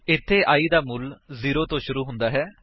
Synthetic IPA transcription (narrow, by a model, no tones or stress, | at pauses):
ɪt̪ʰːeːʔaːiːd̪aːmʊlziːɾoːt̪õːʃʊɾuːɦʊnd̪aːɦɛː